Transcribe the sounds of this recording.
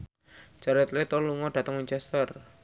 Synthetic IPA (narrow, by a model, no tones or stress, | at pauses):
t͡ʃaɾɛt̪let̪oluŋɔɖ̥ä̤t̪əŋwiɲt͡ʃɛst̪ər